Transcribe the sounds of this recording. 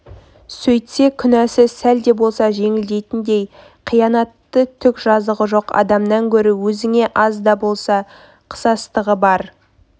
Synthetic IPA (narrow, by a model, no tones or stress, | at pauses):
sɵjt̪se̞kʲʰʏnæsɪsæld̪e̞bo̞lˠsɑʒe̞ŋɪld̪e̞jt̪ɪnd̪e̞j | qʰijɑnɑt̪ːət̪ʰʏkʒɑzəʁəʒo̞qɑ̰d̪ɑmnɑŋkʲʰɵɾɪwɵzɪŋe̞ʔɑzd̪ɑbo̞lˠsɑ | qʰə̥sɑst̪əʁəbɑɾ